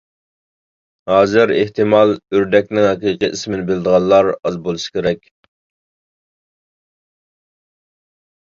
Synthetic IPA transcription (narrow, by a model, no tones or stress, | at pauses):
hɑːzɪɾeht̪ʰɪmɑlˠøɾd̪ɛk̚ʲnɪŋɦɑqiːqiʔismɪnɪbɪlɪd̪əʁɑnˠlːˠɑɾɑzbolˠɨʃi̥kʲeɾɛkʲ